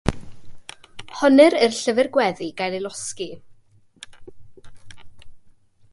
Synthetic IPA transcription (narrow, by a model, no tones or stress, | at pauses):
hɔnɨɾərɬəvɨrɡwɛðiɡ̥ajlˠilˠɔski